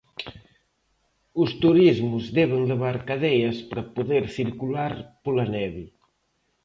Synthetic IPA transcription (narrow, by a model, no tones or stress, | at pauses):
ʊst̪uɾizmʊzðɛβ̞eŋleβ̞aɾkaðɛjɐspɾɐpoðeɾθiɾkulaɾpolanɛβi